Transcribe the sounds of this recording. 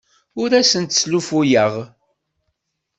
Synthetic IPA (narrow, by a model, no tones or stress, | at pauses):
ʊɾæsənt̪slufujəʁ